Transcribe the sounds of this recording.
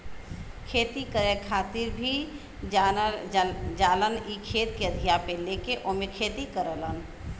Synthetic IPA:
kʰeːt̪ikəɾekʰaːt̪ɪɾbʱi | d͡ʒaːlənikʰeːt̪keəd̪ʱijapelekeʔoːmẽkʰeːt̪ikəɾələn

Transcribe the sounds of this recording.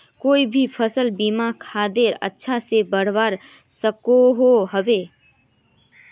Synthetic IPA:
koːibʱipʰəsəlbimakʰad̪eɾə̰tːʃʰasebəɽ̤baːɾ | səkoɦoɦəbe

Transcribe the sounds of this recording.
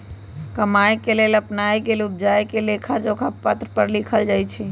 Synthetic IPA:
kəmajkeleləpnajkelub̚d͡ʒajkelekʰad͡ʒokʰapːət̪ɾpəɾlikʰəld͡ʒajt͡ʃʰɛ

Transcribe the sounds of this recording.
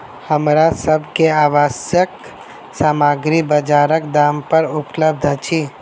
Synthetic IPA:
həmɾasəbʱkeaːʋaːsjək | saːmaːɡɾibəd͡ʒaːɾəkd̪aːmpəɾʊpləb̚d̪ʱt͡ʃʰiː

